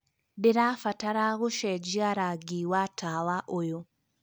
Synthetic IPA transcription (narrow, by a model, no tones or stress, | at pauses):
deɾafataɾaɣoʃɛd͡ʒiaɾaɡiwatawaʔojo